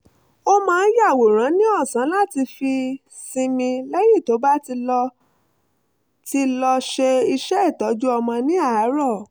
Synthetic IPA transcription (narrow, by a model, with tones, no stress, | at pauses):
o˦mãː˦˧˦n̩˦ja˦˨wo˨ɾ̃ã˨˦nĩ˦ɔ˦˨sã˨˦la˦˨ti˧fi˧ | sĩ˧mĩ˧lɛ˦ji˦˨to˨˦ba˦ti˧lɔ˧ | ti˧lɔ˧ʃe˧i˧ʃɛ˦˨tɔ˨˦d͡ʒu˦ɔ˧mɔ̃˧nĩ˦a˦˨˦ɾɔ˦˨